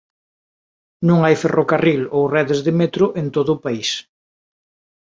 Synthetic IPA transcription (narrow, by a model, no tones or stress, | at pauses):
nũŋajferʔokarilowrɛðezðemet̪ɾʊʔent̪oðʊːpais